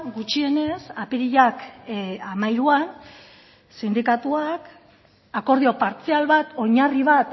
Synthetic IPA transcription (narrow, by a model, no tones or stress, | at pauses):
ɡut͡ʃie̞ne̞sapiɾiʎakamajɾuan | sind̪ikat̪uak | ako̞ɾð̞io̞paɾt͡sialβat̪o̞ɲariβ̞at̪